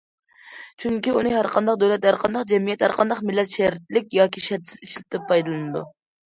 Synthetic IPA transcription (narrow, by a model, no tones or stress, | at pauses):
t͡ʃʰyŋkʲiunɨɦæɾqʰɑnd̪ɑqd̪øwlɛt̪hæɾqʰɑnd̪ɑqd͡ʒɛmijɛt̪hæɾqʰɑnd̪ɑqmɪlːɛt̪ʃæɾɪt̪lɪk̚ʲjɑːkʲʰiʃɛɾt̪sɪ̥ziʃlɪt̪ɛpʰːɑjd̪ɨlˠɨnɨd̪ṵ